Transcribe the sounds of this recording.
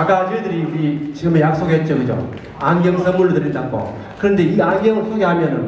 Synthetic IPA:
ak͈ad͡ʑuedɯɾiuit͡ɕiɡɯmejak̚s͈oɡɦet̚t͡ɕ͈oɡɯd͡ʑo̰ | aŋɡjʌŋsʰʌmːuɭdɯɾetak̚k͈o̰ | kɯɾʌnde̞iaŋɡjʌŋʌs͈ʰoɡeɦamjʌnɯn

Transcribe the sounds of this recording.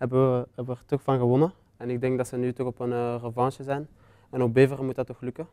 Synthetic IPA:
ɦɛbəɛbəʋərtɔxfɑnɣəʋɔnə | ɛnɪɡ̚dɛŋkdɑtsənytɔxɔpənrəvɑnʃəzɛjn | ɛnɔbeːvərəmutədɑtɔxlʉkə

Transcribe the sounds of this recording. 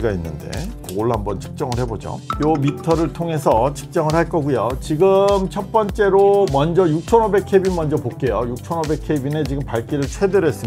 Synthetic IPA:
ɡainːɯnde̞̰koɡoɭhambʌnt͡ɕʰɯ̥k̚t͡ɕ͈ʌŋɯɭhe̞bod͡ʑo̰jomitʰʌɾɯɭtʰoŋe̞sʰʌt͡ɕʰɯ̥k̚t͡ɕ͈ʌŋɯɭhaɭk͈ʌɡujot͡ɕiɡɯmt͡ɕʰʌt̚p͈ʌnt͡ɕ͈e̞ɾomʌnd͡ʑʌjuk̚t͡ɕʰʌnobe̞kʰebinmʌnd͡ʑʌpok͈e̞jojuk̚t͡ɕʰʌnobe̞k̚ʰeibinet͡ɕiɡɯmpaɭk͈iɾɯɭt͡ɕʰwe̞deɾɦes͈ɯm

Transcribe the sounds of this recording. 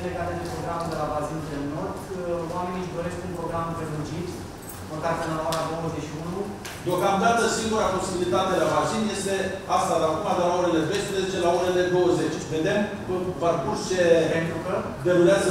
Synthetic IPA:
leɡat̪ed̪epɾo̞ɡɾamed̪e̞lavazind̪elno̞rd̪wame̞niʒd̪o̞ɾe̞skunpɾo̞ɡɾampevɨnt͡ʃit̪sʲ | məkat̪ɨnlaoaɾad̪o̞wəzet͡ʃʃiunu | d̪eo̞kamd̪at̪əsiŋɡuɾapo̞sibilit̪at̪elavaʒinje̞st̪e̞ast̪ad̪akumad̪elaoɾele̞pejspɾeze̞t͡ʃe̞laoɾele̞d̪o̞wəze̞t͡ʃʲve̞d̪e̞mkəvart̪urt͡ʃe̞pent̪ɾukə | d̪e̞ɾuleazə

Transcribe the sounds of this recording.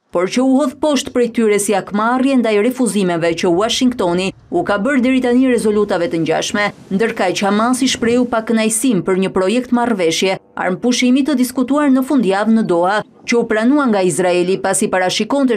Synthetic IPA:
pɔɾt͡ʃəuhɔðpɔʃt̪pɾɛjt̪yɾɛsiakmarjɛnd̪ajɾɛfuzimɛvɛt͡ʃəwaʃiŋɡt̪ɔni | ukabəɾd̪ɛɾit̪aniɾɛzɔlut̪avɛt̪əɲd͡ʑa̰ʃmɛnd̪əɾkat͡ʃəhamasiʃpɾɛupakənajsimpəɾɲəpɾɔjɛk̚t̪marvɛʃjɛa̰ɾmpuʃimit̪əd̪iskut̪uaɾnəfund̪javnəd̪ɔa | t͡ʃəupɾanuaŋɡaizɾaɛlipasipaɾaʃikɔnt̪ɛ

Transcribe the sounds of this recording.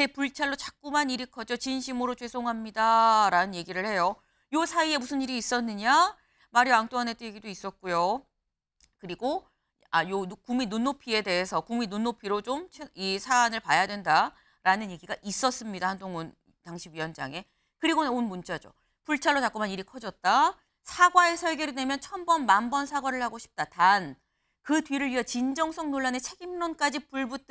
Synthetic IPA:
t͡ɕe̞puɭt͡ɕʰaɭːot͡ɕak̚k͈umaniɾikʰʌd͡ʑot͡ɕinɕʰimɯɾot͡ɕwe̞sʰoŋɦamɲidaɾanɯnje̞ɡiɾɯɭhe̞jo | josʰaie̞musʰɯniɾiːs͈ʌnːɯɲa | maɾiwaŋt͈oanet͈ejeɡidois͈ʌt̚k͈ujo | kɯɾiɡo | ajokuŋminːunːopʰie̞de̞ɦesʰʌkuŋminːonːopʰiɾot͡ɕomt͡ɕʰeisʰaːnɯɭpajadwenda | ɾanɯnje̞ɡiɡaʔis͈ʌs͈ɯmɲidahandoŋun | taŋɕʰiɥiʌnd͡ʑa̰ŋe̞ | kɯɾiɡonɯnonmunt͡ɕ͈ad͡ʑo̰ | puɭt͡ɕʰaɭːotak͈umaniɾikʰʌd͡ʑʌt̚t͈a | sʰaɡwae̞sʰʌɭɡjʌɾide̞mjʌnt͡ɕʰʌmbʌnmambʌnsʰaɡwaɾɯɭhaɡoɕʰi̥p̚t͈atan | kɯdwɥiɾɯɭɥijʌt͡ɕind͡ʑʌŋsʰʌŋnoɭːane̞t͡ɕʰe̞ɡimnonk͈ad͡ʑipuɭbut

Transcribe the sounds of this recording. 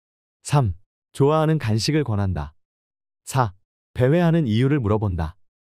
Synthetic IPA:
sʰam | t͡ɕoaɦanɯnkanɕʰiɡɯɭkwʌnɦanda̰ | sʰa | pe̞we̞ɦanɯnijuɾɯɭmuɾʌbonda̰

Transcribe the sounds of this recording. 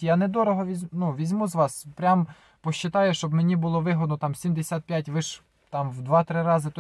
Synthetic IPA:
janɛd̪ɔɾɔɦɔʋʲizʲnuʋʲizʲmuzʋɑspɾʲam | pɔʃt͡ʃːɪt̪ɑjɛʃt͡ʃɔbmenʲibʊlˠɔʋɪɦɔd̪̚nɔt̪ɑmsʲimd̪esʲat̪̚pʲjatʲʋɪʃ | t̪ɑmwd̪ʋɑt̪ɾɪɾɑzɪt̪

